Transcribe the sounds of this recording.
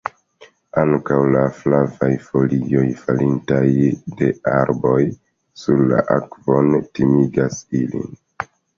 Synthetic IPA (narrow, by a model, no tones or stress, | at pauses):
aŋkawlaflavajfo̞lio̞jfalintajde̞aɾbo̞j | suɾla̰ʔa̰kv̥o̞ntimiɡasilḭn